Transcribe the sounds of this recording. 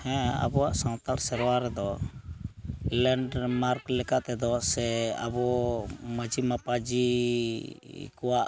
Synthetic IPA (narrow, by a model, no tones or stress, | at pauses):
hɛ̃a̰bɔwaʔsãw̃t̪aɾsɛɾwaɾɛd̪ɔ | lɛɳɖmaɾklɛkat̪ɛd̪ɔsɛa̰bɔməd͡ʒimapad͡ʒi | kɔwaʔ